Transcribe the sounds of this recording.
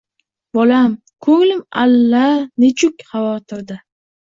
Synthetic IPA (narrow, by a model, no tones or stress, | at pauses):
bɒlam | kʰɵŋlɪma̰lːanet͡ʃʰʊkʲχɑvɒt̪ʰɪɾd̪a